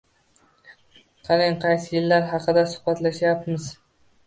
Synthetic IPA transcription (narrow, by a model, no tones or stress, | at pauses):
qʰɑlɪŋqʰɑjsɪjɪlːaɾɦɑqʰɨd̪asʊ̥hbat̪laʃjapmɪz